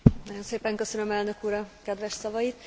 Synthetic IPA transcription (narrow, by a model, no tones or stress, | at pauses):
nɒɟo̞nseːpɛŋkø̞sønømɛlnø̞kuːɾɒkɛd̪ʋɛʃsɒvɒjit̪